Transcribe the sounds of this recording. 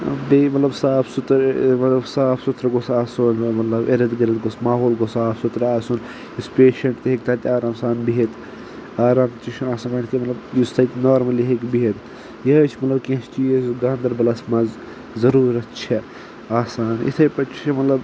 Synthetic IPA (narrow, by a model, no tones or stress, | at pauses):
bemɐt̪lɐbsaːpʰsut̪ɾmɐt̪lɐbsaːpʰsut̪ʰɾɐɡosaːsunmɐt̪lɐbeɾɐd̪ɡɐɾɐt̪ɡosmaːɦoːlɡosaːpʰsut̪ɾaːsun | juspeːʃɐɳʈt̪iɦekt̪ʰat̪ʲiaːɾaːmsaːnbiɦet̪ | aːɾaːmt͡ʃit͡ʃʰaːsaːnkankimɐt̪lɐbjust̪ɐt̪noːɾmɐliɦekbiɦet̪ | jɐt͡ʃʰmɐt̪lɐbkẽt͡ʃt͡ʃʰizɡãːnd̪ɐɾbɐlasmɐz | zɐɾuːɾɐt̪t͡ʃʰɛ | aːsaːnḭt̪ʰɐjpɐt͡ʃʰimɐt̪lɐb